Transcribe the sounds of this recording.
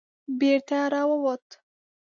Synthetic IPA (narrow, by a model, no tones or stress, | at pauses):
beɾt̪aɾawəwot̪